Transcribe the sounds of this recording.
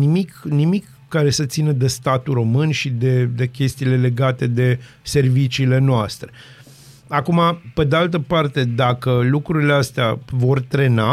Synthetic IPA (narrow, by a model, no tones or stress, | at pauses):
nimiknimikːaɾe̞sət̪sinəd̪e̞st̪at̪uɾo̞mɨnʃid̪e̞d̪e̞kʲe̞st̪iːle̞le̞ɡat̪e̞d̪e̞ | se̞rvit͡ʃiːle̞noast̪ɾe̞ | akumape̞d̪e̞alt̪əpart̪e̞d̪akəlukɾuɾileast̪eavo̞rt̪ɾe̞na